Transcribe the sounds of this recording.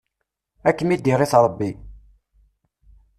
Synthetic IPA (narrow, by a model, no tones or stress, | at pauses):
ækːəmid̪iɾˤɪθɾˤəbːi